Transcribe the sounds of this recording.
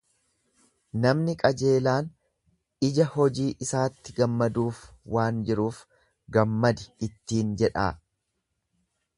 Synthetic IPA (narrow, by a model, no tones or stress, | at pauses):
nɐmnɪkʼɐd͡ʒe̞ːlaːn | ɪd͡ʒɐhɔd͡ʒiːʔɪsaːt̪ːɪɡɐmːɐd̪uːf | waːnd͡ʒɪɾuːf | ɡɐmːɐd̪ɪɪt̪ːiːnd͡ʒɛᶑa̰ː